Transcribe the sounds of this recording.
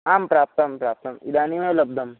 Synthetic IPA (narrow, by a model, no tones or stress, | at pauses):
ampɾaːp̚t̪ɐmpɾap̚t̪əmḭd̪animeləb̚d̪ʱəm